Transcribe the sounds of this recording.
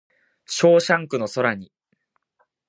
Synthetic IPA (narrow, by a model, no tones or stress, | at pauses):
ɕo̞ːɕãŋkɯ̟no̞so̞ɾaɲ̟i